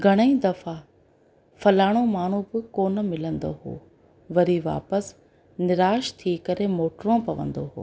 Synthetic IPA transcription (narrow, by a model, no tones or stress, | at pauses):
ɡʱɐɽ̃əĩd̪ɐfa | fɐlaːɽ̃omaːɳ̤ũbɪkoːnəmɪlə̃nd̪o̰ɦo̰ː | ʋɐɾiʋa̰ːpəs | nɪɾaːʃt̪ʰikɐɾemoːʈɾõpɐʋə̰̃nd̪oɦo̰ː